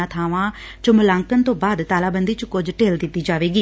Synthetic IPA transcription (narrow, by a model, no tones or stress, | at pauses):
ãːt̪ʰaːʋãː | t͡ʃʊmlãːŋkənt̪õːbaːd̪t̪aːlaːbənd̪iːt͡ʃkʊd͡ʒʈeːld̪ɪt̪ːiːd͡ʒaːʋeːɡiː